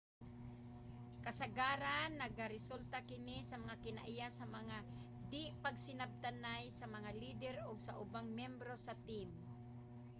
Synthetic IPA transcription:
kasaɡaːɾanːaɡaɾɪsult̪akɪnisɐmɐŋakɪna̰ʔɪjasɐmɐŋa | d̪ɪpaɡsɪnab̚t̪anajsɐmɐŋaliːd̪ɛɾoɡsa̰ʔʊbaŋmjɛmbɾosɐt̪im

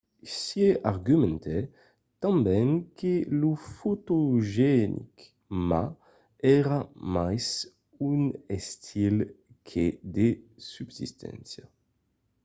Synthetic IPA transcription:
sjeʔaʁɡymɛ̃nt̪ʰɛ | t̪ãmbɛŋkʰelufot̪oʒɛnʔḭk | ma | ɛʁamajs | unɛst̪ʰil | kʰed̪esybsḭst̪ʰɛ̰̃nsja

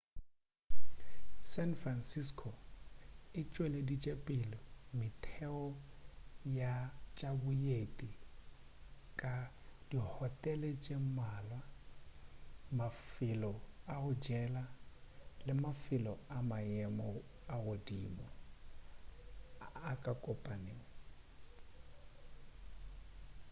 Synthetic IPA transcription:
sɛnfransiskʰo | ɪt͡ʃʼwɛledit͡ʃʼepʼɪlɔmɪtʰɛɔ | jat͡ʃʼabʊjetʼi | kʼa | d̥ihɔtʼɛlet͡ʃʼemaːlwa | mafɪlɔaɣʊd͡ʒɛla | lɪmafɪlɔamajɛmɔaɣʊdiːmɔ | akʼakʼɔpʼaneːa

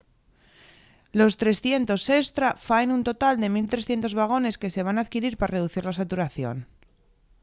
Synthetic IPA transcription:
lo̞st̪ɾe̞sθje̞nt̪o̞se̞st̪ɾafaenunt̪o̞t̪ald̪e̞milt̪ɾe̞sθje̞nt̪o̞zβaɣ̞o̞ne̞ske̞se̞β̞anaːðkiɾiɾpaɾare̞ðuθiɾlasat̪uɾaθjo̞̰n

